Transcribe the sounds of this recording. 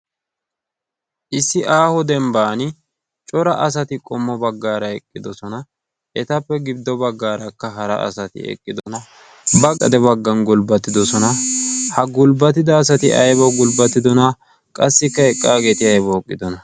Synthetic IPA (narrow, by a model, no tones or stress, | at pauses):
ʔɪsːɪʔaːhɔd̪ɛmbaːnɪ | t͡ʃʼɔɾɐʔɐs̬ɐt̪ɪkʼɔmːɔbɐɡːaːɾɐɛkʼːɪd̪ɔsɔnɐ | ɛt̪ɐpːɛɡɪbd̪ɔbɐɡːaːɾɐkːɐɦɐɾɐ̰ʔɐ̰sɐt̪ɪ̰ɛ̰kʼːɪd̪ɔnɐ | bɐkʼɐ̰d̪ɛbɐɡːɐnɡʊlbɐt̪ːɪd̪ɔsɔnɐhɐɡʊlbɐt̪̬ɪd̪ɐːs̬ɐt̪ɪʔɐjbɔɡʊlbɐt̪ːɪd̪ɔnɐ | kʼɐsːɪkːɐɛkʼːaːɡe̞ːt̪ɪɐjbɔːkʼːɪd̪ɔnɐ